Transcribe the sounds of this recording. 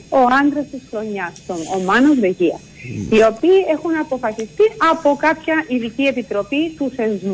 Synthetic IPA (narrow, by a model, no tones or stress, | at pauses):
o̞ɐnd̪ɾɐst̪isxɾo̞ɲːɐst̪onomɐnozðe̞ʝiɐ̰ | io̞piːe̞xunɐpo̞fɐsist̪iɐpo̞kɐpçɐʔiðicie̞pit̪ɾo̞pit̪uθe̞zmu